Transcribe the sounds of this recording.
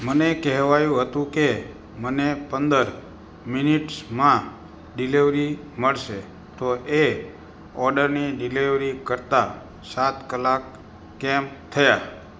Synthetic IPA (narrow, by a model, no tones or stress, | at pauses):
mənekɛɦʋajũɦət̪ũke | mənepənd̪əɾ | miniʈsmã | ɖiliʋɾi | məɭʃe | t̪oʔe | ɔɾɖəɾniɖiliʋɾikəɾt̪a | sat̪kəlakː | ɛmt̪ʰəja